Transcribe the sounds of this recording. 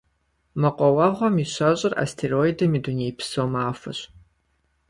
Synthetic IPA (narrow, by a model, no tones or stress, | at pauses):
mɐqʷʼɔwɑʁʷɔmiɕɐɕʼɪra̰stʰeroidɐmidunejpʰsoːmaːfɐ̰ɕ